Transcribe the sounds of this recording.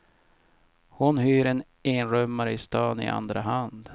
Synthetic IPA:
hʊnɦyːɾɛn | eːnɾœmːaɾəɪst̪ɑːnɪ̰ʔa̰nd̪ɾaɦand̪

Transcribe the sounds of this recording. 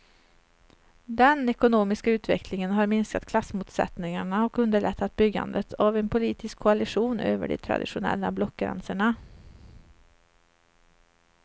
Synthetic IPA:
d̪ɛnɛkʊnoːmɪskaʉ̟ːt̪vɛ̰kʰlɪŋənɦaɾmɪnskat̪kʰlasːmuːt̪sɛ̰t̪nɪŋaɳaɔkɵnd̪əɭɛt̪ʰːat̪̚bʏɡːa̰nd̪ət̪ʰavenpʰʊliːt̪ɪskʰːʊalɪɧuːnøːvə̰ɖɛ̰t̪ʰɾa̰d̪ɪɧʊnɛ̰lːablɔkɡɾɛ̰nsəɳa

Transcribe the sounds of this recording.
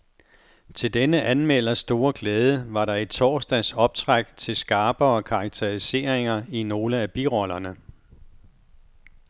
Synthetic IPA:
t͡sʰe̝ld̥enəʔænmel̰ɐsd̥o̝ːɐɡ̥lɛːð̞ˠəʋɑ̈ɾɑ̈e̝d̥̚t͡sʰɒ̰ːsd̥æsɒ̽b̥̚t͡sʰʁaɡ̥t͡sʰe̝lsɡ̥ɑ̈ːb̥ɐɒ̽kʰɑ̈ɑ̈ɡ̥̚t͡sʰeʁise̝̰ːɐ̰eŋɐino̝ːləæb̥iʁɒ̽lɐnə

